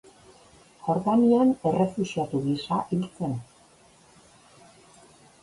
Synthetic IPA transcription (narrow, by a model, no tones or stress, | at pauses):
xo̞ɾðaniane̞re̞fusiat̪uɣisaʔilt͡se̞n